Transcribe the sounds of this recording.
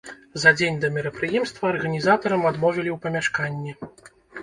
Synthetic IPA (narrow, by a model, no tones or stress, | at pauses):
zɐd͡zʲenʲd̪ɐmʲiɾɐpɾɨjɛmst̪vɐːrɣɐnʲizat̪ɐɾɐmad̪mɔvʲɛlʲiwpɐmʲaʂkanʲːɛ